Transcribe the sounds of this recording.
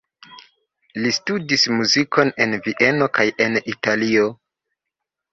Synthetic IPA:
listudismuziko̞ne̞nviʔe̞no̞kaje̞nitalio̞

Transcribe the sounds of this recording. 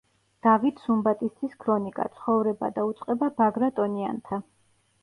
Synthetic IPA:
d̪̥avit̪ʰsumbat̪ʼist̪ʰiskʰɾɔnikʼa̰t̪sʰχɔvɾɛba̰d̪aut̪sʼqʼɛbabaɡɾat̪ʼɔnia̰nt̪ʰa

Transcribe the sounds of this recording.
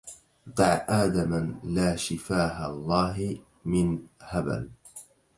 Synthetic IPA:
d̪ɑʕʔaːd̪amalaːʃɪfaːɦalˤːɑːɦ | mɪnhaba̰l

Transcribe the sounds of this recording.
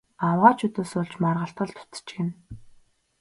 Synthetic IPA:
awʁaːt͡ɕʰɵt̪oːsʊɮt͡ɕmarʁə̆ɬt̪ɢə̆ɮt̪ʊ̥t͡s̪ə̥̆t͡ɕɡen

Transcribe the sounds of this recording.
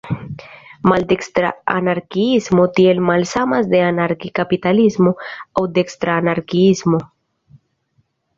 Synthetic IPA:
mald̪ekst̪ɾa̰a̰naɾkiizmo̞t̪jelmalsamazd̪e̞anaɾkikapit̪alizmoawd̪ekst̪ɾaːnaɾkiizmo

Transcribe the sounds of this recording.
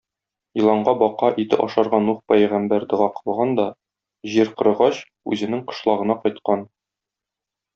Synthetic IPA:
jĭlˠɑɴɢɑbɒqɑʔit̪ɘ̰ʔɒ̰ʃɑɾʁɑnuχpæjʁæmbæɾd̪ɤ̆ʁɑqɤ̥̆lˠʁɑnd̪ɒ | ʑiɾqɤ̆ɾɤ̆ʁɑɕ | ʉ̰zɘ̆nɘŋqɤ̥̆ʃlˠɑʁɤ̆nɑqɒjt̪̚qɑn

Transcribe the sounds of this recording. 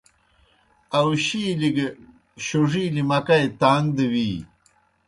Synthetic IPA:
awɕiliɡ | ɕoʐiːlimɐkajt̪aːŋd̪əwiː

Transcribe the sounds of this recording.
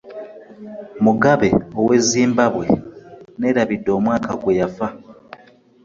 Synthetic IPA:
muɡaβe̞o̞we̞ziːmbaβwe̞̰ne̞ːɾaβidːo̞ːmwaːkaɡwe̞jafa

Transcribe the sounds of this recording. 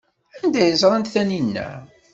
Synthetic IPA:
ænd̪æjəzˤɾˤɑnt̪θæninːæ̰

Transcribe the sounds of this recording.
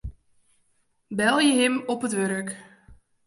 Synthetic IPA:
bɛlˠjəɦɪmɔpətʋøɾək

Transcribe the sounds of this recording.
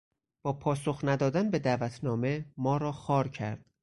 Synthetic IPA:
b̥ɒːpʰɒːso̞xnæd̪ɒːd̪ænbe̞d̪æːvæt̪ʰnɒːme̞mɒːɾɒːxɒːɾcʰæ̰ɾd̪̥

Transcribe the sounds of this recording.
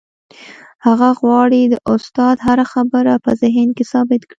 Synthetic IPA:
haɣaɣwɑɽid̪əʔʊst̪ɑd̪ɦaɾaxabəɾapəzɪɦnkesɑbɪt̪kɽi

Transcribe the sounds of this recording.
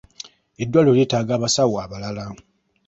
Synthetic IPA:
edːwaloleːtaːɡaːβasawaːβalala

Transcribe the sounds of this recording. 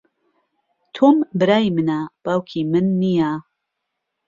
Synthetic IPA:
t̪ʰombɨɾaːjmɨnab̥aːwkʰimɨnːija

